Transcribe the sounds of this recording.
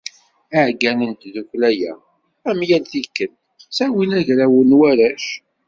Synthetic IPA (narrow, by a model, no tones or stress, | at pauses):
æʕɡænənt̪ðuçlæjæ̰ | æmjælθikːən | sæwilæʝɾæwənwæɾæʃ